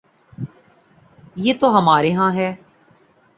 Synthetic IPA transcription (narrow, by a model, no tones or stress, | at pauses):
jeːt̪oɦəmaːɾeɦãːɦɛː